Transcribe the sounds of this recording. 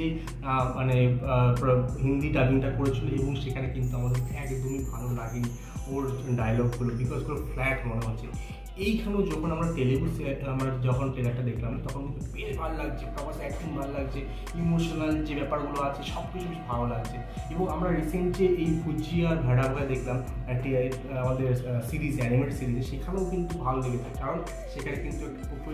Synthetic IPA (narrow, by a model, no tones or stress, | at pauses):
e | manepɦind̪iʈabiŋʈakoɾet͡ɕʰileeboŋʃekʰanekint̪uamad̪eɾʰɛkd̪omibʱalolaɡeni | oɾɖajalɔɡːulobikɔzkuloflɛʈmoneɦot̪ːɕʰe | ejkʰanewd͡ʑɔkʰonamɾaʈelebusieamɾad͡ʑɔkʰonʈelak̚ʈad̪ekʰlamt̪ɔkʰonkint̪upeɾbʱalolaɡ̚t͡ɕʰekɔbaeɛk̚k̪ʰumbʱalolaɡt͡ɕʰe | imoʃonald͡ʑebɛpaɾɡuloat͡ɕʰeʃɔb̚kit͡ɕʰubiʃbʱaɾolaɡt͡ɕʰe | ebɔŋamɾaɾiseɳt͡ɕeʔejpud͡ʑiad̪ʱəɽabʱoed̪ekʰlam | ɛkʈi | amad̪eɾsiɾizɛnimeʈsiɾizeʃekʰanaokint̪ubʱalod̪eɡet͡ɕʰekaɾon | ʃekʰanekint̪uɛkaokʰo